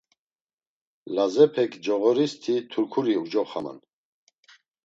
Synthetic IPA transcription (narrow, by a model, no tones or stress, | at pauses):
lazɛpʰɛkd͡ʒɔɣɔɾist̪ʰit̪ʰuɾkʰuɾiud͡ʒɔχama̰n